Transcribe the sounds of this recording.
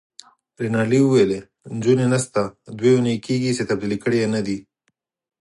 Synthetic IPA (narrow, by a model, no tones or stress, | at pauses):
ɾenɑliuwele | nd͡ʒunenast̪ad̪weunejkeɡiset̪ɐb̚d̪ilikəɽijanad̪i